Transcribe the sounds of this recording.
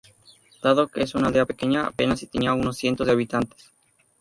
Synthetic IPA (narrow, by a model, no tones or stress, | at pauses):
d̪̥aðo̞keesunaldeape̞ke̞ɲa̰ːpe̞nasit̪eniauno̞sːje̞nt̪o̞zðeaβit̪ant̪e̥s